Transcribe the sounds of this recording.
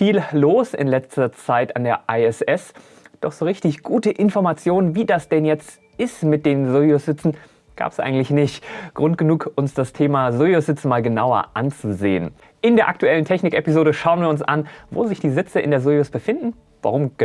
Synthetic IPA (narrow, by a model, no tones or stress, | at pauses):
fiːlloːsɪ̰nlɛt͡stɐt͡saɪtandeːɐʔaɛsɛs | d̥ɔχz̥oːʁɪçtɪçɡ̥uːtəʔɪnfɔɐmat͡sjoːnənviːdasd̥ɛnjɛt͡st | ɪstmɪt̚d̥eːnzojʊsz̥ɪt͡sn̩ | ɡ̥a̰ːpə̥sʔa̰ɪɡŋ̩tlɪçnɪçtɡ̥ʁʊnt̚ɡ̥ənuːkʔʊnsd̥astʰeːmazojosz̥ɪt͡sn̩maːlɡənaʊɐ̰ʔant͡suzḛːən | ʔɪndeːɐʔa̰k̚tuɛləntʰɛçnɪkʔɛpizoːɾəʃaʊənviːɐʊnsʔa̰nvo̰ːzɪçd̥iːzɪt͡səɪ̰ndeːɐzojʊsb̥əfɪndn̩ | va̰ʁʊm